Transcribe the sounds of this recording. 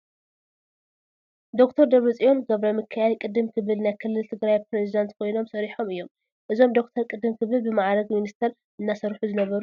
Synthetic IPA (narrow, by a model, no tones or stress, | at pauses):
d̪okt̪ʰɐɾd̪ɐβɾɨt͡sʼijo̞nɡɐβɾɐmɨkʰːɐjalkʼɨd̪ɨmkʰɨβɨlnajkʰɨlːɨlt̪ʰɨɡɾajpɾezid̪ant̪kʰo̞jno̞msɐɾiħo̞mɨjːo̞m | ʔɨzo̞md̪o̞k̚t̪ʰɐɾkʼɨd̪ɨmkʰɨβɨlbɨmaʕɾɐɡminist̪ʰɐɾ | ʔɨnːasɐɾħuzɨnɐβɐɾu